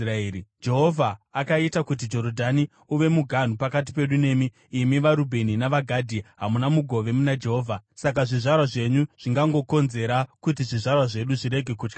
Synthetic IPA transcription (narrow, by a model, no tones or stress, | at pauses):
raeid͡ʒe̞ɦo̞vʱaːkaitakut̬id͡ʒo̞ɾodʱani | uʋe̞muɡʱan̤upakat̬i̥pe̞ɗune̞ːmiː | miʋaɾubʱe̞ninaʋaɡʱadʱiɦamunamuɡʱo̞ʋe̞munad͡ʒe̞ɦoːvʱasakaʐiʐarwaʐe̞ɲuʐ̥iŋɡaŋɡo̞ko̞nze̞ɾakut̬iʐiʐarwaʐe̞ɗuʐiɾe̞ɡʱe̞kuːt͡ʃka